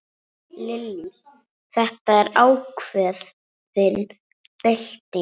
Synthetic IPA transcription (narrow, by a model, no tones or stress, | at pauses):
lɪlːi | θɛht̪aɛɾaːwkʰvɛːð | ðɪn | pɪl̥t̪ɪ